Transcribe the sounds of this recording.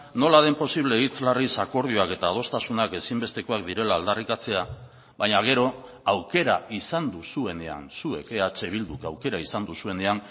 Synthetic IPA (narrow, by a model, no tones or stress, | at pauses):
no̞lað̞e̞mpo̞siβ̞le̞it͡slarisako̞ɾð̞io̞ake̞t̪aːð̞o̞st̪asunake̞simbe̞st̪e̞koak̚d̪iɾe̞laːld̪arikat͡se̞a | βaɲaɣ̞e̞ɾo̞ | awke̞ɾaisand̪usue̞ne̞a̰nsue̞̰ke̞at͡se̞β̞ild̪ukawke̞ɾaisand̪usue̞ne̞an